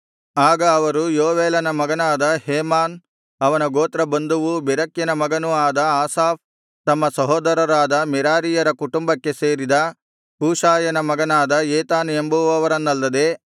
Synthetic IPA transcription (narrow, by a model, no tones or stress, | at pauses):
aːɡɐːʋɐɾujoːʋeːlɐnɐmɐɡɐnaːd̪ɐheːmaːn | ɐʋɐnɐɡoːt̪ɾɐbɐnd̪uʋubɛɾɐkjɐnɐmɐɡɐnuaːd̪ɐaːsaːf̚ | t̪ɐmːɐsɐɦoːd̪ɐɾɐɾaːd̪ɐmɛɾaːɾijɐɾɐkuʈumbɐkːe̞seːɾid̪ɐ | kuːʂaːjɐnɐmɐɡɐnaːd̪ɐeːt̪aːnembuʋɐʋɐɾɐnːɐlːɐd̪e̞